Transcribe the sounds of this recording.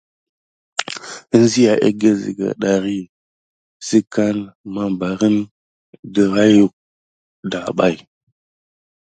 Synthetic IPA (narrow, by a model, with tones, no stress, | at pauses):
ə˦n˦zi˦ja˨ʔe˦ɡe˦zḭ˨ɡa̰˨ɗa˨ɾi˦ | si˦ka˦nma˨ba˨ɾə˦n | də˨ɾa˦ju˦k̚ | da˨ɓa˦j